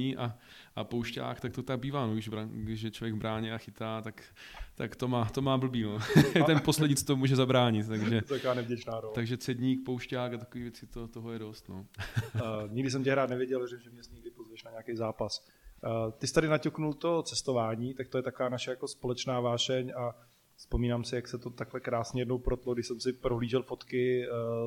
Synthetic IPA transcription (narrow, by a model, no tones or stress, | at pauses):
iːʔaʔapowʃca̰ːkt̪akt̪ot̪aɡ̚biːvaːnoɡɪʒbɾaɡdɪʃjɛt͡ʃlovjɛɡbɾaːɲɛaxɪt̪aːt̪ak | t̪akt̪omaːt̪o̞maːbl̩biːnot̪ɛnpo̞slɛɟɲit͡st̪omuːʒɛzabɾaːɲɪt̪t̪ːaɡʒʒɛakoaːnɛvɟɛt͡ʃnaːɾolt̪aɡʒɛt̪t͡sɛdɲiːk̚powʃcaːkat̪akoviːvjɛt͡sɪt̪ot̪oɦlɛjɛdo̞st̪no | ɲɪɡdɪs̬ɛmcɪɦɾaːt̪nɛvjɛɟɛlʒɛmʒɛmɲɛsɲɪɡ̚dɪpozvɛʃnaɲɛakejzaːpas | t̪ɪsɪ̥t̪adɪnacoknult̪o̞t͡sɛst̪o̞vaːɲiːt̪ak̚t̪ojɛt̪akovaːnaʃɛjako̞spo̞lɛt͡ʃnaːvaːʃɛɲa | spo̞miːnaːmsɪjaksɛt̪o̞t̪aklɛkɾaːsɲɛjɛdnowpɾot̪loɡdɪʃsɛmsɪpɾoɦliːʒɛlfo̞t̪kɪ